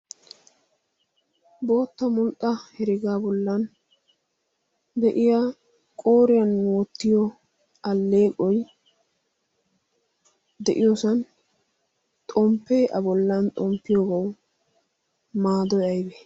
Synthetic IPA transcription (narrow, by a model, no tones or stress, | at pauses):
bo̞ːt̪ːɐmʊlt̪ʼːɐhɛɾɪɡaːbɔlːɐn | d̪ɛʔɪja | kʼoːɾɪjɐnːwɔt̪ːɪjɔ | ɐlːeːkʼɔj | d̪ɛʔɪjɔsɐn | t̪ʼɔmpːeːʔɐbɔlːɐnt̪ʼɔmpːɪjoːɡɐw | maːd̪ɔjɐjbɛ